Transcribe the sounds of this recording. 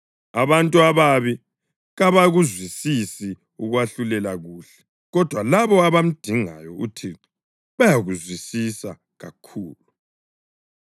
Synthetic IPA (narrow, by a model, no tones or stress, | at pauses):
aβantʼuaβaβi | ɣaβaɣuzwisisi | uɣwaɬulɛlaɣuːɬɛ̥ | ɣɔd̥ʱwalaβɔaβam̩d̥ʱiŋa̰jɔṵtʰiǁ | βajaɣuzwisisa | ɣakʰuːlu